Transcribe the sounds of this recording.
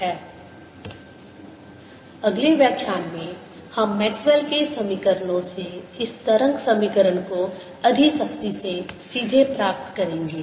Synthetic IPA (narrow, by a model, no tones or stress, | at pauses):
ɦɛː | ɐɡleʋjəkʃaːnmẽ | hɐmːɛːkswelkesɐmikəɾnõseɪst̪ɐɾə̃ŋɡsɐmikəɾənko | ɐd̪ʱisɐkt̪isesiːd̪ʱepɾaːp̚t̪kɐɾẽːŋɡeː